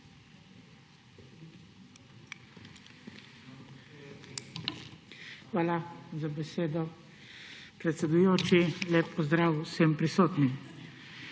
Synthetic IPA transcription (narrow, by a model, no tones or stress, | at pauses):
xʋaːlazabɛseːd̪ɔ | pɾɛt̪sɛd̪ujoːt͡ʃileːpːɔzd̪ɾaːwsɛmpɾisoːt̪ni